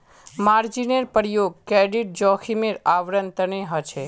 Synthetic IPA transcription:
maɾd͡ʒineɾpəɾjoɡ̚keɖiʈ̚d͡ʒɔkʰimeɾaʋɾənt̪əɳeɦət͡ʃʰe

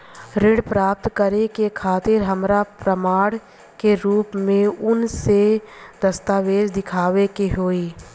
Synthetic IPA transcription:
ɾɪɽpɾaːp̚t̪kəɾekekʰaːt̪ɪɾɦəmɾapɾəmaːɽ | keɾuːpmẽʊnsed̪əst̪aːʋeːd͡ʒd̪ɪkʰaːʋekeɦoːiː

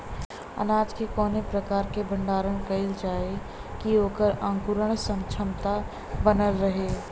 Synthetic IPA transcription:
ə̰naːd͡ʒkekɔːnepɾəkaːɾkebʱə̃ɳɖaːɾəɳ̃kəɪld͡ʒaːe | kioːkəɾə̃ŋkuɾəɽ̃sə̃mt͡ʃʰəmt̪a | bənəlɾəɦeː

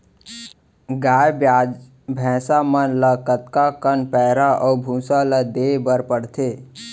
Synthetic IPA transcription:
ɡaːjba | bʱɛ̃ːsamənləkət̪kakənpɛːɾaʔɔːbʱũːsaləd̪eːbəɾpəɽt̪ʰeː

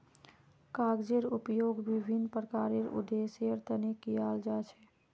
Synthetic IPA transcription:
kaɡd͡ʒeɾupjoɡbibʱinːpɾəkaɾeɾṵd̪esjəɾt̪ənekijald͡ʒat͡ʃʰɛ̥

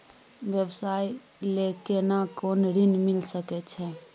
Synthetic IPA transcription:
bjəbsaj | lekenakonɾinmilsəkɛt͡ʃʰɛ

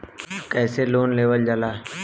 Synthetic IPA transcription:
kɛːseloːnleːʋəld͡ʒəlaː

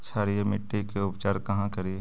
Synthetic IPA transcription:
sʰaːɾiemɪʈːikeʊpt͡ʃaːɾkɐɦãkɐɾie

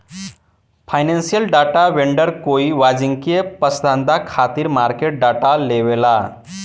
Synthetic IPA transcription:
fajnẽnsijəlɖaʈaʋeɳɖəɾkoiʋad͡ziŋkiepəsd̪ʱãnd̪akʰat̪iːɾmaɾkeʈ̚ɖaʈaleʋela

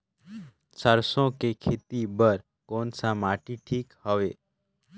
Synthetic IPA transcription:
səɾsõkekʰet̪ibəɾ | konsamaʈiʈʰiːkhəʋeː

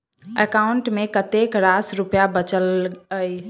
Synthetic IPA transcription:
əkauɳʈmekət̪ekɾasɾupjabət͡ʃələj

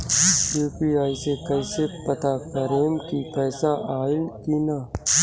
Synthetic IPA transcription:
juːpiaːisekɐɪsepɐt̪akɐɾeːmkipɛːsaʔʔaːɪnkina

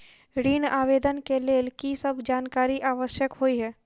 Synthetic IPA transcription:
ɾiːnaːʋeːd̪ənkeleːlkisəbd͡ʒaːnkaːɾiʔaːʋəʃjəkɦoːiɦɛː

